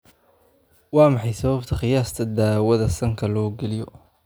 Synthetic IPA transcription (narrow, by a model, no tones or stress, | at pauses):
wɑːmɑħɑjsɐβɐbt̪ʰɐχɪjaːst̪ʰɐd̪aːwɐðɐsɐŋkʰɐlɔːɡɛlɪjɔ